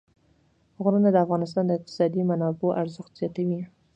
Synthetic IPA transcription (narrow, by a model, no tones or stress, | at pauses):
ɣɾənad̪əafɣɑnɪs̬t̪ɑnd̪əɪq̚t̪ɪ̥sɑd̪imanɑboʔaɾzəxt̪z̥jɑt̪awi